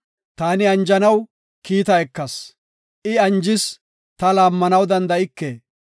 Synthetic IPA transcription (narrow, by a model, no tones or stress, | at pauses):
t̪aːnɪɐnd͡ʒɐnɐw | kiːt̪ɐɛkːɐs | ʔɪɐnd͡ʒɪs | t̪ɐlaːmːɐnɐwd̪ɐnd̪ɐɪkːeː